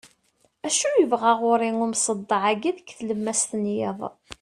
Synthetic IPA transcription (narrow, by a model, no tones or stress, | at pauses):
æʃujəvʁaʁʊɾiŋʊɾmsˤəd̪ˤːɑʕaɡiðkθləmːæst̪ənjeðˤ